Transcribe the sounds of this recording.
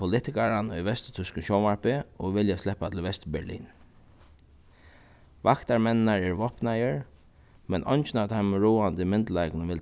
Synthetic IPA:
ʊlɪt̪ɪkaɹanʊjʋɛst̪t̪ʰʏskənʃɔːmaɹpɪɔʋɪljaslɛhpat̪ʰɪl̩ʋɛst̪bɛlḭːn | ʋakt̪aɹmɛnɪnaɹɛɹʋɔhpnajəɹ | mɛnʔɔ̰jnt͡ʃɪnaʋt̪ʰaɪmɹuːant̪əmɪnt̪laɪknəʋɪl

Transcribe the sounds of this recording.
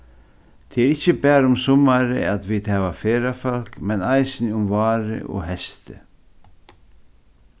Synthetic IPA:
t̪ʰeɛɾɪcːəbɛːɾʊmsʊmaɾɪ̰æt̪ʋiːd̪hɛːʋafeːɾafœl̥kmɛnajsɪnʊmvɑːɾɪ̰ʔo̰ːɦɛst̪ɪ̰

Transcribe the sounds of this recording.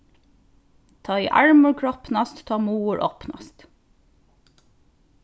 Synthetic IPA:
t̪ʰɑːḭːʔæɹmʉɹkʰɹɔpnɑst̪t̪ʰɑːmuːəɹʔɔpnɑ̰st̪

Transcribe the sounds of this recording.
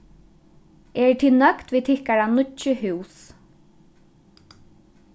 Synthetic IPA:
ɛɹt̪ʰinœkt̪viːt̪ʰɪhkaɹanʊt͡ʃːəɦʉws

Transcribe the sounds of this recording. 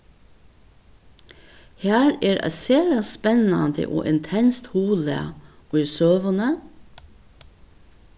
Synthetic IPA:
hæːɾeːɾʔæ̰seːɾɑspɛnɑnd̪ə̰ʔo̰ːʔɪnt̪ʰɛnst̪huːlə̰ɔisøːʋənə

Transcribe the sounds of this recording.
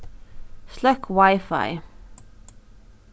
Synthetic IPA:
slœkʰwaɪfa̰ɪ

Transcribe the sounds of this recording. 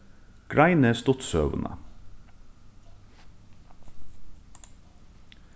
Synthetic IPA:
ɡ̥ɹæɪnəst̪ʊt̪søːʋənʔə̰

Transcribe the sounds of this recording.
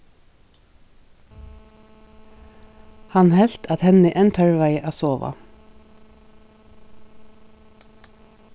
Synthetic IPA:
hɑnhɛl̥t̪ʰɑt̪hɛnɪʔɛnt̪ʰœɹʋaɪʔaːsoːʋa̰

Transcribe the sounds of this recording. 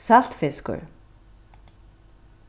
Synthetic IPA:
sal̥t̪fɪskʏ̰ɾ̥

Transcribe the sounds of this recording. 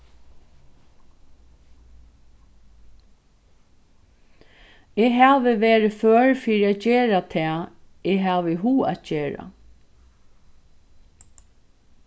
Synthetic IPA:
eːɦaːʋɪʋeːɾɪføːɹfiːɾiat̪d͡ʑeːɾat̪ʰɛː | eɦaːʋɪɦuːa̰t̪̚ceːɹa̰

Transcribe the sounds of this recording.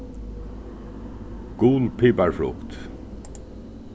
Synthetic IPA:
ɡ̥uːlpʰiːpaɹfɹʊ̰kt̪

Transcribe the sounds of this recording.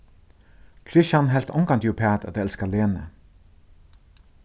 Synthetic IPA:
kʰɾɪʃanɦɛl̥t̪ɔŋkant̪jupʰɛːt̪a̰t̪ɛlskaleːnə̰

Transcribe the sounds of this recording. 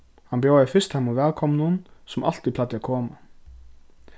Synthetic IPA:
hɑnbjoːɛfɪst̪hɛmːʊʋɛːlkʰɔmnʊnsɔmʔɑ̰l̥t̪ip̪ʰɑt̪ːəkʰoːma

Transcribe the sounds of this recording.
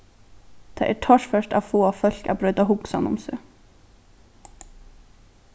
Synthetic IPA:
d̪̥ḛːʔæːʈʰɔʃfœʃʈɑ̰ːʋfoːɑfœʎkɑ̰ːbɾœʏd̪ɑhʊɡsɑ̰nʊ̰msø̰ː

